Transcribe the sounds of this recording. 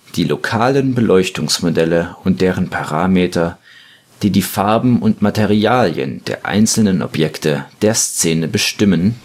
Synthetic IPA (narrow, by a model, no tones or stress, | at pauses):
d̥iːlʔokʰaːlənbəlʔɔʏçtʊŋsmodɛləʊnt̚d̥eːʁ̞ənpʰaʁaːmeːtʰɐ | d̥iːdiːfaɐbm̩ʊntmatʰeʁiaːljə̰nd̥ḛːɐʔa̰ɪnt͡sl̩nənʔɔ̰pjɛktʰəd̥eːɐst͡seːnəbəʃtɪmən